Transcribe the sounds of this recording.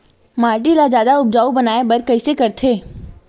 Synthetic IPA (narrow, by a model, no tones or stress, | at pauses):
maːɾʈilad͡ʒjaːd̪aʊb̚d͡ʒaːubɐnaːebɐɾkɐisekɐɾt̪ʰeː